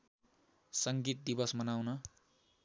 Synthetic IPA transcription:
sʌŋɡit̪̚d̪ibʌsmʌnawnʌ

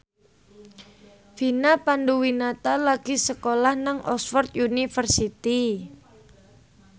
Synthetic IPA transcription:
finapanduwinat̪alaɡ̥isəkolahnaŋɔ̰sfɔrt̪junifərsit̪i

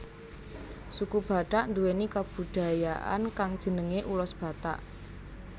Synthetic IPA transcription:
sukub̥ä̤ɖ̥aʔnd̪uwenikab̥ṳd̪̥a̤jaʔa̰nkaŋd̥ʒ̥ə̤nəŋeʔulɔsb̥a̤t̪a̰ʔ

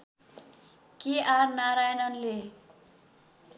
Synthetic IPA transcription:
kearnaɾajnʌnle

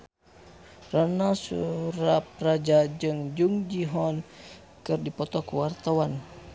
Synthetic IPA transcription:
ranasṵɾap̚rad͡ʒad͡ʒɨŋd͡ʒuŋd͡ʒiɦɔn | kɨrdipɔt̪ɔkuwart̪awan

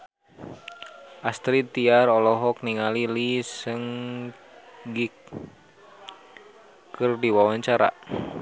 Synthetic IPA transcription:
ʔast̪ɾit̪iarɔlɔɦɔk̚niŋalilisəŋ | ɡik | kərdiwawaɲt͡ʃaɾa̰

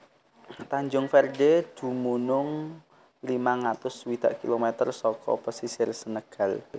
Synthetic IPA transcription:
t̪aɲd͡ʒʊŋfɛrded̪̥ṳmunʊŋ | limaŋat̪ʊswid̪̥a̤ʔkilomɛt̪ərsɔkɔ̰pəsisɪrsənəɡ̥a̤l

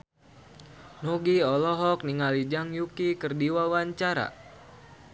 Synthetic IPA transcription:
noɡiɔlɔɦɔk̚niŋalid͡ʒaŋjukikərdiwawaɲt͡ʃaɾa̰

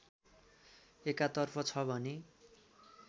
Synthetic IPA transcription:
ekat̪ʌrpʰʌt͡sʰʌbʱʌne

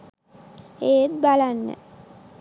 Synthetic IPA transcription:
eːt̪̚balanːə̰

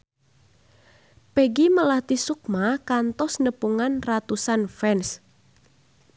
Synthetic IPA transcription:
peɡiməlat̪isuk̚makant̪ɔsnəpuŋanrat̪usanfɛns

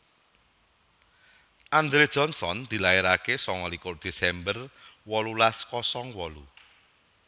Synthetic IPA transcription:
ʔand̪ɾed̥ʒ̥ɔnsɔnd̪̥i̤laeɾakesɔŋɔlikʊrd̪̥e̤sɛmbərwɔlulaskɔsɔŋwɔlu

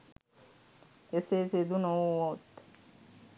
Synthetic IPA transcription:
eseːsed̪unowwot̪ː

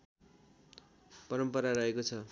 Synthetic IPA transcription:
pʌɾʌmpʌɾarʌɦekot͡sʰʌ

